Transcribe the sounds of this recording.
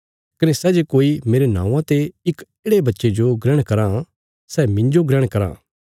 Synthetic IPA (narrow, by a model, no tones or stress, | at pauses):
kɐnesɛːd͡ʒekoːimeːɾenã̰ːũãt̪eɪkeːɽebɐtːʃed͡ʒoɡɾɛɽ̃kɐɾã | sɛːmɪ̃ɲd͡ʒoɡɾɛɽ̃kɐɾã̰ː